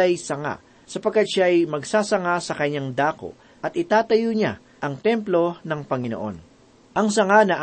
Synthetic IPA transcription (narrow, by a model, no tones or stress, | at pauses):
ɐjsɐŋa̰ | sɐpɐɡ̚kːat̪̚ʃajmɐɡsaːsɐŋasɐkɐɲːaŋd̪aːko̞̰ | ʔɐt̪̚ɪt̪aːt̪ɐjoɲa | ʔɐŋt̪ɛmplo̞nɐŋpɐŋɪno̰ʔo̞̰n | ʔɐŋsɐŋanɐʔ